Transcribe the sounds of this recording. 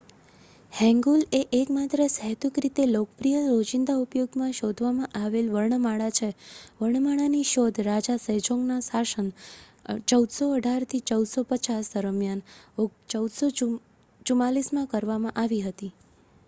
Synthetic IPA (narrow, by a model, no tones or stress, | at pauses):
hɛ̃ŋɡuleʔekmat̪ɾəsəɦt̪ukɾit̪elokəpɾijəɾod͡ʒind̪aupjoɡmãʃod̪ʱʋamãʔaʋelʋəɭɳəmaɭat͡ʃʰeʋəɭɳmaɭaniʃod̪ʱɾad͡ʒasəɦd͡ʒoŋɡnasaʃən | t͡ʃəwd̪soəɖʱaɾt̪ʰit͡ʃəwd̪sopət͡ʃasd̪əɾəmjanot͡ʃəwd̪so | t͡ʃumalismãkəɾʋamãʔaʋiɦət̪i